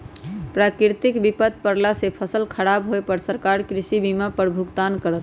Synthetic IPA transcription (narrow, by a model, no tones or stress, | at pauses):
pɾakiɾt̪ikbipət̪̚pəɾlasepʰəsəlkʰəɾabɦoepəɾsəɾkaɾkɾisibimapəɾbʱukt̪ankəɾət̪